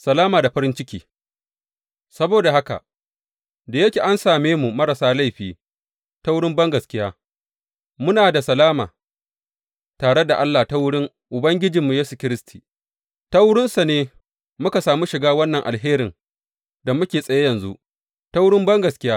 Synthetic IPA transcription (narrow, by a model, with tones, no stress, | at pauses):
sɐ˨laː˦maː˨da˨ɸɐ˦ɾɪ˦nt͡ʃɪ˦kʲiː˨ | sɐ˦boː˨da˨ɦa˦ka̰˨ | da˨jɐ˦kʲe˨ʔa˦nsaː˨meː˦mu˨mɐ˦ɾa˨saː˦la˦jɸiː˨ | ta˦wʊ˦ɽɪ˦mbɐ˦ŋɡɐ˨skʲɪ˦jaː˦ | mʊ˦naː˨da˨sɐ˨laː˦ma̰ː˨ | taː˨ɽe˦da˨ʔa˦lːa˨ta˦wʊ˦ɽɪ˦ŋ | ʔʊ˨bɐ˦ŋɡʲɪ˦d͡ʒi˨mːu˨jeː˦su˨kʲɪ˦ɾɪ˦stʰi˨ | ta˦wʊ˦ɽɪ˦nsa˨neː˦ | mʊ˦ka˨saː˨mu˦ʃɪ˨ɡaː˦wɐ˦nːɐ˨ŋʔa˨lɦeː˦ɾɪ˨ŋ | da˨mʊ˦kʲeː˨sʼɐ˨je˦jɐ˨nzu˦ʔ | ta˦wʊ˦ɽɪ˦mbɐ˦ŋɡɐ˨skʲɪ˦jaː˦